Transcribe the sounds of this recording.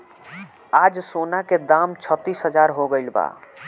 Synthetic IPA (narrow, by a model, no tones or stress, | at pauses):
ad͡ʒsonaked̪amt͡ʃʰət̪ːisɦəd͡ʒaɾɦoɡəɪlba̰